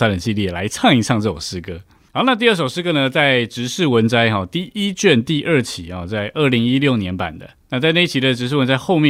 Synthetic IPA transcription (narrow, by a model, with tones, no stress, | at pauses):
sa˥lə˨˩nɕi˥˧li˥˩˨la̰˧˥ɪʈ͡ʂʰɑ˥˧ŋi˧˥ʂʰɑ˥˧ŋt͡sɤ˥˩jo̰˨˩ʂɻ̩˥kɤ˧˥ | xɑ˧˥ʊna˥˧t̪i˥˧ə˥˩ʂo˨˩ʊʂɻ̩˥kɤ˥nə˧t͡sa˥˩ɪʈ͡ʂɻ̩˧˥ʂɻ̩˥˩wə˧˦˥nt͡sa˥ɪxɔ˥˩t̪i˥˩i˦t͡ɕɥɛ˥˧nt̪i˥˧ʔə˥˩t͡ɕʰi˧˥˦ɔ˥˩t͡sa˥˧ɪʔə˥˩li˧˥ŋi˦˥ljo˥˨˩ʊnjɛ˧˦˥npa̰˨˩nd̪ə̰˦na˥˧t͡sa˥˧a˥˧i˥˩t͡ɕʰi˧˥d̪ə˧ʈ͡ʂɻ̩˧˥ʂ̬ɻ̩˥˩wə˧˦nt͡sa˥ɪxo˥˧ʊmjɛ˥˨